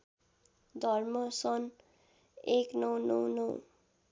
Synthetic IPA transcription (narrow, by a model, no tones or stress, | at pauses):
d̪ʱʌrmʌsʌn | eknʌwnʌwnɔw